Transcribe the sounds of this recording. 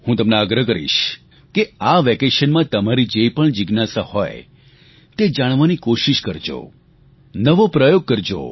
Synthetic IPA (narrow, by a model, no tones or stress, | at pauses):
hũt̪əmneəɡɾəkəɾḭʃ | keaʋɛkeʃənmãt̪əmaɾid͡ʒepəɳd͡ʒɪɡnasahɔ̰je | t̪ed͡ʒaɽ̃ʋanikoʃiʃkəɾd͡ʒo̰ | nəʋopɾəjoɡ̚kəɾd͡ʒo̰